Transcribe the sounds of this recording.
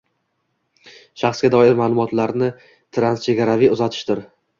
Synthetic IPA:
ʃaχsɡʲad̪ɒɪɾmaːlˠʊmɒt̪ʰlaɾnɪ | t̪ʰɾanst͡ʃʰe̞ɡʲaɾavijʊzat̪ʰɪ̥ʃt̪ɪɾ

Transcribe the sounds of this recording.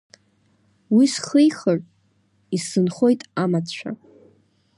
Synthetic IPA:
wisχɨjχərʼ | isɨnχo̞jtʼamat͡ɕʷʰa̰

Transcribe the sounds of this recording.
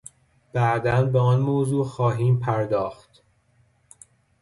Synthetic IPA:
b̥æʔd̪ænbeɒːnmoːzuːxɒːɦiːmpʰæɾd̪ɒːxt̪

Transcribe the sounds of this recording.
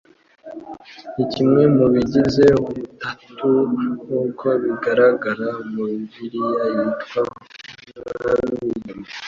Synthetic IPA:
icimŋe̞muβiɟize̞oβutatuŋuːkʰo̞βiɡaɾaɡaɾamuiviɾijajitkwa | aanuuɲima

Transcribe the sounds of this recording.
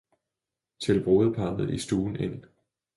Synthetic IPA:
t͡sʰelb̥ʁo̝ːð̩ˠpʰɑ̈ːnð̩ˠisd̥uːn̩en̰

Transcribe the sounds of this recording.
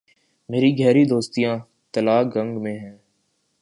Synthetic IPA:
meːɾiɡʱɛːɾid̪oːst̪ijãː | t̪əlaːɡə̃ŋɡmẽɦɛ̃ː

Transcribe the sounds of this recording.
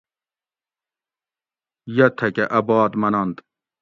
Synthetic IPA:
jɐt̪ʰɐkeʔɐbɑːd̪mɐnɐnt̪

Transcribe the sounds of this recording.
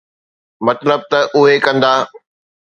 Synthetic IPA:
mɐt̪ləb̚t̪ɐʔʊɦekɐ̃nd̪aː

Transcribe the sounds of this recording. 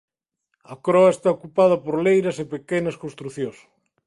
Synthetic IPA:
ɐkɾɔɐest̪aokupað̞ɐpoɾlejɾɐsepekenɐskõnst̪ɾuθjõs

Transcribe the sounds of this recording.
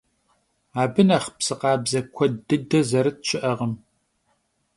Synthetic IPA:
aːbɨnɐχpsɨqɑːbzɐkʷʰɔdɨdɐzɐɾɨt̚t͡ʃʰɪʔɐʁəm

